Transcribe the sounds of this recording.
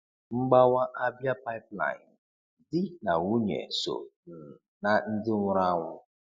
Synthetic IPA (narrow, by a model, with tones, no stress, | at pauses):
ŋ͡m̩˦ɡ͡ba˦wa˦ʔa˦bja˦pa˦ɪ˦pla̰˨n̩ | dɪ˦na˨wu˦ɲḛ˨so̰˨n̩˨ | na˦n̩˦dɪ˦ŋʷʊ˦ɾa˦ŋʷʊ˦